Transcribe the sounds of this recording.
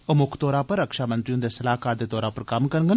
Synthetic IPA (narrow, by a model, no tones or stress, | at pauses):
əmʊkʰt̪oːɾãːpəɾːəkʃaːmənt̪ɾiõːd̪eːsəlaːɦkaːɾd̪eːt̪ɔːɾaːpəɾkɐmkəɾɡən